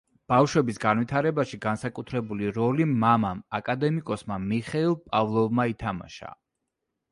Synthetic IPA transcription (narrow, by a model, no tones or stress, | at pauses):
b̥afʃwɛbisɡanwit̪ʰaɾɛbaʃiɡansakʼut̪ʰɾɛbuliɾɔlimamamakʼad̪ɛmikʼɔsmamiχɛilˠpʼavlˠɔvmait̪ʰama̰ʃa̰